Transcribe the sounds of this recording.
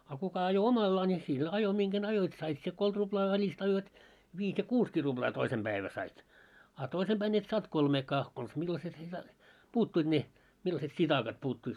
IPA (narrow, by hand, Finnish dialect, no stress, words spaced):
ɑ kukɑ ɑjo omɑlːɑː nʲi sil ɑjo miŋɡ̊æn ɑjoit sɑit sie kolt rub̥lɑː ʋælist ɑjoit ʋiːs jɑ kuːskiː rub̥lɑː toisem b̥æiʋæ sɑit ɑ toisem b̥æin et sɑːnt kolmeːkɑː kons milːɑset ne sɑ puːtːuit ne milːɑset sitɑkɑt puːtːuit